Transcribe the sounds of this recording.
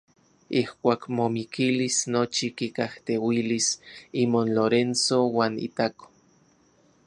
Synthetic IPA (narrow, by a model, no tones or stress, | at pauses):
ihkʷaːkmomikʰilisnot͡ʃikikaht̪ewilisimonloɾensowaːnḭt̪ako̥